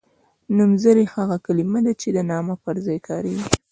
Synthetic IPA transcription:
numzaɾehaɣakalimad̪at͡ʃed̪ənɑmapəɾzɑjkɑɾeɡi

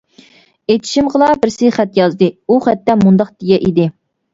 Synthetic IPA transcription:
et̪ʰɪ̥ʃimʁəlˠɑbɪɾsɨχɛt̪jɑzd̪ɨuχæt̪ːɛmund̪ɑqt̪ijɛʔid̪ɪ

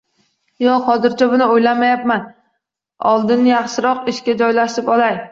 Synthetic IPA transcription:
jɒhɒzɪɾt͡ʃʰabʊnɪojlamajap̚man | ɒ̰lˠd̪ɪnjɑχʃɪɾɒqɪʃkʲad͡ʒɒjlaʃɪpɒlˠaj

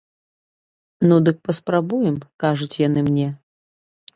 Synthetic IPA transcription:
nud̪ɨk̚pɐspɾabujɛmkaʐut͡sʲjanɨmnʲɛ

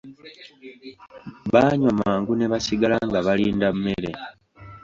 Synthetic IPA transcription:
βaːɲwamaːŋɡuneβasiɡalaŋɡaβaliːndamːe̞ɾḛ

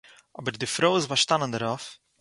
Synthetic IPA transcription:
ɔbəɾdɪfɾoːɪsbaɾʃtanəndəɾɔf

